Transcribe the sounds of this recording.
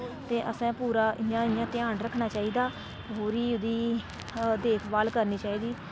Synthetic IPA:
t̪eːʔəsãːpuːɾaːʔɪjãːɪjãːt̪ɪaːnɾəkʰnaːt͡ʃaːiːd̪aː | ɦoːɾiːʊd̪iː | d̪eːkʰbaːlkəɾniːt͡ʃaːiːd̪iː

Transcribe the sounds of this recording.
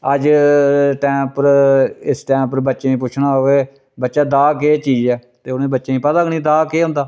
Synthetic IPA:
əd͡ʒ | ʈɛːmpəɾɪsʈɛːmpəɾbətːʃeːĩːpʊt͡ʃʰnaːɦoeː | bətːʃaːd̪aːk̬eːt͡ʃiːd͡ʒɛː | t̪eːʊnẽːbətːʃeːĩːpəd̪aːɡnĩːd̪aːkeːɦʊ̃nd̪aː

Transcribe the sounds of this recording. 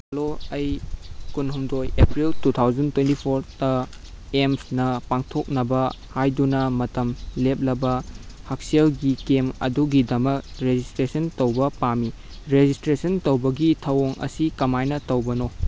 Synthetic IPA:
hɐloɐjkunɦumdojepɾiltutʰawzɐntwentipʰoɾtɐ | emsnɐpaŋtʰok̚nɐbɐ | hajdunɐmɐtɐmlep̚lɐbɐhɐk̚selɡikemɐ̰duɡidɐmɐk̚ɾed͡ʒistɾesɐntɐwbɐpami | ɾed͡ʒistɾesɐntɐwbɐɡitʰɐwoŋʔɐ̰sikɐmajnɐtɐwbɐno

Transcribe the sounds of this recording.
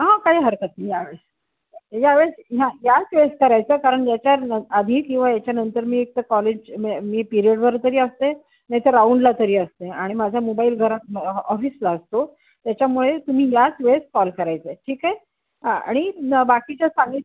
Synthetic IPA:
ɦãkaɦiːɦəɾkət̪ijaʋeɭs | jaʋeɭsjãjat͡sʋes̚kəɾajt͡səkaɾəɳjat͡ɕjaəəd̪ʱiːkĩw̃ʋajat͡ɕjanənt̪əɾmiːek̚t̪əkɔled͡ʑmiːpiɾiəɽbəɾt̪əɾiːəst̪e | najt̪əɾauɳɖlat̪əɾiːəst̪eaɽ̃imad͡zʱamobaiːlɡʱəɾat̪̚ɔfiːslaəst̪o | t̪jat͡ɕjamuɭet̪um̤iːjat͡sʋes̚kɔlkəɾajt͡seʈʰiːkae | ɦãa̰ɽ̃ibakit͡ɕasaŋɡi

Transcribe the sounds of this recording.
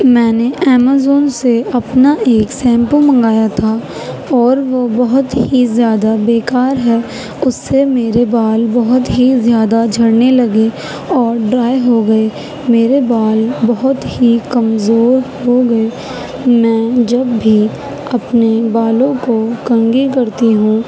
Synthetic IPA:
mɛ̃ːneʔɛːmaːzoːnseɐpnaeːksɛ̃ːmpəlmɐ̃ŋɡaːjat̪ʰa | ɔːɾʋobɐɦʊt̪ɦizjaːd̪abeːkaːɾɦɛː | ʊsːemeːɾebaːlbɐɦʊt̪ɦizjaːd̪ad͡ʒʱɐɽnelɐɡe | ɔːɾɖɾaːjɦoɡɐe | meːɾebaːlbɐɦʊt̪hikɐmzoːɾɦoɡɐe | mɛ̃ːd͡ʒɐbːʱi | ɐpnebaːlõkokɐ̃ŋɡikɐɾt̪iɦũː

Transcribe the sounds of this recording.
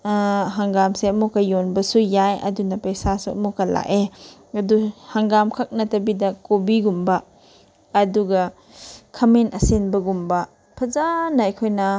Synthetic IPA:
ɦaŋɡamseɐmukːɐjonbɐsujajɐ̰dunɐpɐjsasuɐ̰mukːɐla̰ʔeɐduhaŋɡamkʰɐk̚nɐtɐbidɐkobiɡumbɐː | duɡɐ | kʰɐmenɐsenbɐɡumbɐ | pʰɐzanɐɐjkʰojnɐ

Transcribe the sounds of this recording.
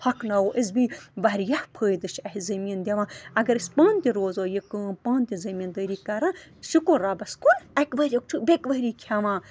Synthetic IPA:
pʰɐknɐwoʔizbiʋɐɾjahpʰəːjd̪ɨʃʰɐɦizɐmind̪ʲɐʋãːɐɡɐɾisʲpãːnt̪ʲiɾoːzoːjikəpãːnt̪ʲizɐmiːnd̪əːɾiːkɐɾãːsikoɾaːbɐskoɐkʋɐɾʲɐk̚t͡ʃʰubekʋɐɦɾiːkʲʰaʋãː

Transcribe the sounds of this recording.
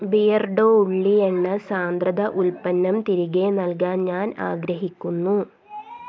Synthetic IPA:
bijɐrɖoːuɭːieɳːɨsaːnd̪rɐd̪ɐʔulpɐnːɐmt̪iɾiɣe̞nɐlk̬aːnɲaːna̰ːɡɾɐɦikʲːunːu

